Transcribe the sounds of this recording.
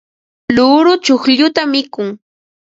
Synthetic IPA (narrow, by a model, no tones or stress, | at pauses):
lʊɾʊt͡ʃʊxʎʊt̪amːɪkʊŋ